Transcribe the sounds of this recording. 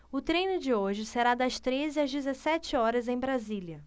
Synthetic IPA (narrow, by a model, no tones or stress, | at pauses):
ʊt̪ɾejnʊd͡ʒɪoʒɪseɾad̪ɐst̪ɾezɪɐzd͡ʒɪzesɛt͡ʃɪɔɾɐzẽj̃bɾaziljɐ